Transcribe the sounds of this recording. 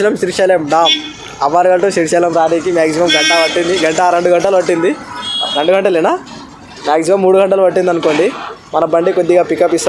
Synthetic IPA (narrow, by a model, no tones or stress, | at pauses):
imɐmʃiɾʃɛːlemɖaːm | ɐʋaːɾuɡɐɳʈuʃiɾʃɛːlɐmɾaːɾiːkimaːksimɐmɡɐɳʈɐʋɐʈːind̪iɡɐɳʈɐɾeɳɖuɡɐɳʈɐluʋɐʈːind̪iɾeɳɖuɡɐɳʈɐlinaː | maːks̬imɐmːuːɽuɡɐɳʈɐluʋɐʈ̬ːind̪ɐnuko̞ːɳɖimɐnɐbɐɳɖikod̪ːiɡaːpikɐpːist̪a